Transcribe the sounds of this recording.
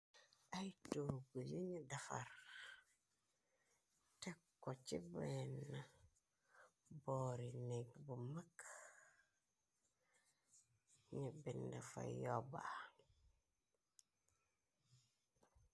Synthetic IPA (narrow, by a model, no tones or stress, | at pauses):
ajtoɾɡud͡ʒiɲidafa̰ɾ | takːot͡ʃibenːa | boɾineɡbumak | ɲibindafa̰joba